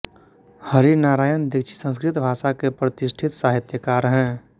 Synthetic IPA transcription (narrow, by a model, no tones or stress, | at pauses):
həɾinaːɾaːjənd̪ɪkt͡ʃʰi̥sə̃nskɾɪt̪bʱaːʃakepɾət̪ɪsʈʰɪt̪saːɦɪt̪jəkaːɾɦɛ̃ː